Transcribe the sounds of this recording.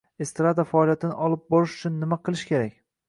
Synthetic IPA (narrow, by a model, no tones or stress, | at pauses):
est̪ɾad̪afaːlˠijat̪ʰɪnɪʔɒlˠɪp̚bɒɾɪʃʊ̥t͡ʃʰʊnːɪmaqɨlˠɪʃkʲʰe̞ɾakʲ